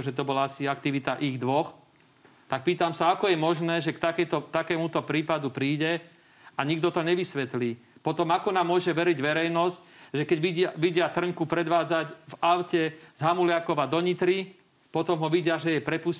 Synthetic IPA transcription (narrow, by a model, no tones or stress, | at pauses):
ʒɛt̪ɔbɔlaasiak̚t̪iʋit̪aʔiɣd̪ʋɔx | t̪ak̚piːt̪amsaakɔjɛmɔʒnɛːʒɛkt̪akɛt̪ɔt̪akɛːmut̪ɔpɾiːpad̪upɾiːɟɛ | aɲiɡd̪ɔt̪ɔɲɛʋisʋɛt̪liː | pɔt̪ɔmakɔnaːmːʊɔʒɛʋɛɾiɟʋɛɾɛjnɔscʒɛkɛɟʋiʋiɟɪat̪r̩ŋkupɾɛd̪ʋaːd͡zacvaʊcɛzɦamulɪakɔʋad̪ɔɲit̪ɾi | pɔt̪ɔmɦɔʋiɟɪaʒɛjɛpɾɛpus